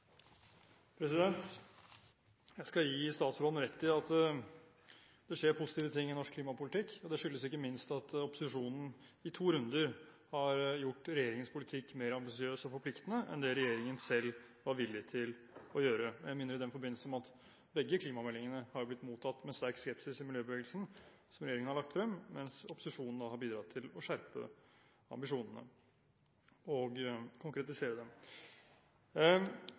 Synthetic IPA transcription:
pʰɾɛs̬ɪd̪ɛnt̪ | jæɪskɑjiːst̪ɑːt̪sɾoːd̪n̩ɾɛt̪ʰːɪɑt̪ | d̪̥ɛʂeːɾpʰʊsɪt̪iːʋət̪ʰɪŋːɪnɔʂkʰliːmɑpʊlɪt̪ʰɪkːɔd̪ɛʂʏlːəsɪkːəmɪnst̪ɑt̪ɔpːʊsɪʂuːnn̩ɪt̪ʰuːɾʉnd̪əɾhɑɾjʊʈːɾɛjeːɾɪŋənspʰʊlɪt̪ʰɪkːmeːɾəɑmbɪsɪøːsɔfɔɾpʰlɪkt̪ənəʔɛ̰nd̪ɛɾɛjeːɾɪŋənsɛlː | ʋɑɾʋɪlːɪt̪ʰɪl | ɔjøːɾəɛmɪːnəɾɪd̪ɛnfɔɾbɪnːl̩sn̩ɔmɑt̪ | bɛɡːəkʰliːmɑmɛlːɪŋənəhɑɾjʊblɪt̪ːmuːt̪ʰːɑt̪ːmɛst̪æɾkskɛpsɪsɪmɪljøːbəʋeːɡəlsn̩ | sɔmɾɛjeːɾɪŋənhɑɭɑkt̪fɾɛmːmɛnsɔpʊ̥sɪʂuːnn̩d̪ɑhɑɾbiːd̪ɾɑt̪ʰɪlɔʂæɾpə̰ | ɑ̰mbɪʂuːnənə̰ | ɔɡkʰʊŋkɾɛt̪ɪseːɾəd̪ɛm

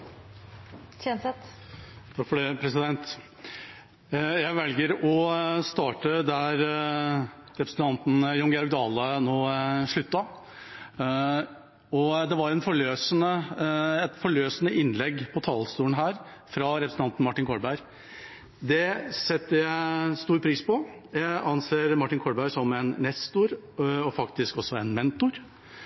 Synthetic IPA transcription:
ɛsɛt̪t̪ʰɑkfɔɖɛpʰɾɛsɪd̪ɛnt̪ | jæɪʋɛlɡəɾɔst̪ɑːʈəd̪æɾ | ɾɛpɾsn̩t̪ʰɑnt̪njɔŋɡɛɔɾk̚d̪ɑːlənoːʂɭʉt̪ːɑ | ɔd̪ɛʋɑɾɛnfɔɭøːsənəɛt̪fɔɭøːsənəʔɪnːlɛɡpʰɔt̪ʰɑːlst̪uːənɦæːɾfɾɑɾɛpɾəsn̩ɑnt̪n̩mɑʈːɪnŋkʰɔɽbæɪɾ | d̪ɛsɛt̪ːəjæɪst̪uːɾpʰɾiːspɔjæɪʔɑnseːɾmɑʈːɪnŋkʰɔbæɪɾsɔmɛnnɛst̪ʊɾɔfɑkt̪ɪskɔsːɔɛnmɛnt̪ʊɾ

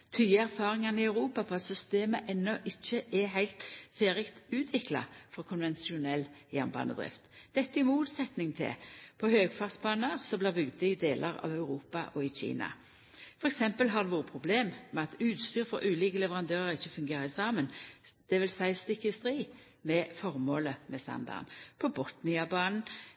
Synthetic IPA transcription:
t̪ʰyːəæʁfɑːʁɪŋɑnɪɑʉʁuːpɑpʰɔɑt̪sʏst̪eːməʔɛnːɔʔɪçːəʔɛɦæɪlt̪feːɾɪkt̪ʉːt̪ʰʋɪklɑ̰fɔkʰʊnʋɛnsɪʊnɛlːjæʁnbɑ̰ːnə̰d̪ʁɪ̰ft̪d̪̥ɛt̪ːəɪmuːt̪sɛt̪nɪŋt̪ʰɪ̰pʰɔhøːɡfɑːʁt̪sbɑːnəʁsɔblɪːʁbʏɡd̪əɪd̪eːlʔəɾɑ̰ʋœʉɾuːpɑʔɔɪc͡çḭːnɑ̰ | fɔʁɛksɛmpəlɦɑʁd̪ɛʋuːʁəpʰʁʊbleːmmɛɑt̪ʉːt̪st̪yːʁfɔʁʔʉːliːkəlɛʋəʁɑnd̪øːʁəʁɪçːəfʉŋɡeːɾəɪsɑːmənd̪̥ɛʋɪlsæɪst̪ɪkːɪst̪ʁiː | mɛfɔʁmoːləmɛst̪ɑ̰nd̪ɑ̰ʁnpʰɔbɔt̪nɪɑbɑːnn̩

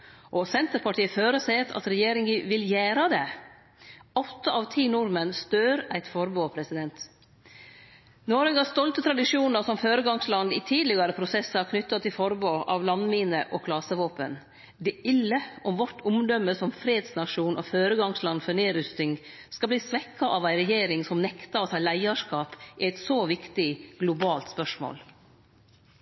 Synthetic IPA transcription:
ʔɔsɛnt̪əɾpʰɑʈʰiːəføːɾəset̪ʰɑ̰t̪ɾɛjeːɾɪŋəʋɪljæːɾɑd̪ɛ | ɔt̪ːəɑʋt̪ʰiːnʊɾmənst̪øːɾæɪt̪fɔɾboːpʰɾɛsɪd̪ɛnt̪ | noːɾɛɡɑst̪ɔlt̪ət̪ʰɾɑd̪ɪʂuːnəɾsɔmføːɾəɡɑŋslɑnd̪ɪt̪ʰiːd̪lɪɡɑɾəpʰɾʊsɛsːəɑkʰnʏt̪ːɑt̪ʰɪlfɔɾboːʔɑʋlɑnmiːnəʔɔkʰlɑsəʋoːpə̰n | d̪ɛʔɪlːəʔɔmʋɔʈːʊmd̪ɔmːəsɔmfɾeːd̪snɑʂuːnʔɔføːɾəɡɑŋslɑnːfœneːɾʉst̪ɪŋ | skɑbliːsʋɛkʰːɑʔɑʋæɪɾɛjeːɾɪŋsɔmnɛkt̪ɑɔt̪ʰɑːlæɪɑʂkɑːpʔɪæɪt̪soːʋɪkt̪ɪɡ̥lʊbɑːlt̪spœʂmo̰ːl

